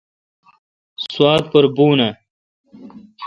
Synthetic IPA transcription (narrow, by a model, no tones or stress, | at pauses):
swɑːt̪̚pəɾbuːna